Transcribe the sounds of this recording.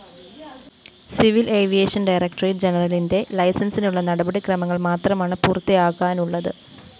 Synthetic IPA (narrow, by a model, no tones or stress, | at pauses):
siʋilʔeːʋijeːʂɐnɖɐjrek̚ʈɐrid͡ʑe̞nɐrɐlinde̞lɐjsɐnsinuɭːɐnɐɽɐbɐɽikrɐmɐŋːɐɭmaːt̪rɐmaːɳɨpurt̪ːijaːɣaːnuɭːɐðɨ